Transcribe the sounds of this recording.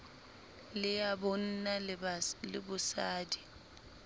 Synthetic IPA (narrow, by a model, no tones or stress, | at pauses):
lɪjabɔn̩nalɪ̰bʊsaːdi